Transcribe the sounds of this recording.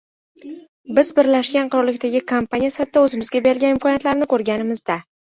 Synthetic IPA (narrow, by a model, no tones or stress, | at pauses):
bɪzbɪɾlaʃɡʲanqʰʊɾɒɾlɪkʲt̪aɡʲɪkʰompanʲijasat̪ːaɵzɪmɪzɡʲabe̞ɾɡʲanɪmkʰɒnijat̪laɾɪnɪkʰoɾɡʲanɪmɪzd̪a